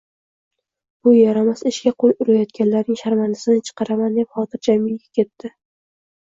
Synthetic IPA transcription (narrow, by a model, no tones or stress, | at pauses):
b̥ʊjaɾamasɪʃkʲaqʰojʊɾajɒt̪̚kʲanlaɾnɪŋʃaɾmand̪asɪnɪt͡ʃʰɨ̥qɑɾamand̪e̞pχɒt̪ʰɪɾd͡ʒamɪŋɡʲakʲʰe̞t̪ːɪ